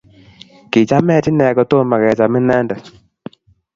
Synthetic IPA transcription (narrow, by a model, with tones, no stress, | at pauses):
ki˨t͡ʃa˦mɛ˦ti˦nɛ˨kɔ˨to˦˨ma˨kɛ˨t͡ʃa˨mɛ˦nɛ˦ndɛ˨